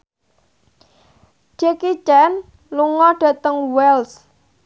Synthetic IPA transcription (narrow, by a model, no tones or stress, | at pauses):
d͡ʒekit͡ʃɛn | luŋɔɖ̥a̤t̪əŋwɛls